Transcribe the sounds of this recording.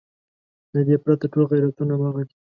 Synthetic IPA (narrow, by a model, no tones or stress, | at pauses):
d̪əd̪epɾat̪aʈolɣajɾat̪unamaɣaɡi